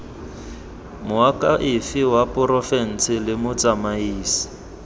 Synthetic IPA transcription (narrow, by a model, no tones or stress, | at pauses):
mʊakʼaʔɪfɪwapʼɔrɔfɛn̩sʰɪlɪmʊt͡sʼamaiːsi̥